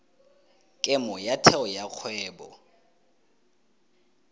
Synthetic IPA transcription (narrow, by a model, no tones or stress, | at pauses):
kʼɛmɔjatʰɛɔjak͡xʰwɛːbɔ̰